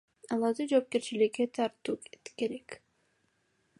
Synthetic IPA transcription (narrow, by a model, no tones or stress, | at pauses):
ɑlˠɑɾd̪ɯd͡ʒo̞ːp̚ke̞ɾt͡ʃilikːet̪ʰɑɾt̪uːket̪ke̞ɾek